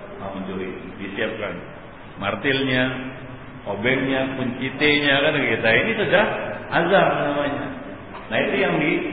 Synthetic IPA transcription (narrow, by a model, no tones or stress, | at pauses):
maməɲd͡ʒuɾidisiap̚kan | mart̪ilɲa | obɛŋɲapuɲt͡ʃit̪eɲakankkit̪ainisədahazarmanamaɲa | nait̪ujaŋdi